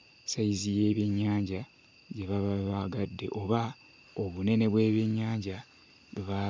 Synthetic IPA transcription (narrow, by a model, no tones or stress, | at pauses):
saizije̞ːβeɲːaːɲɟa | ɟe̞βaβaβaɡadːe̞̰ʔo̞βa | oβune̞ne̞βwe̞ːβeɲːaːɲɟa | βeβa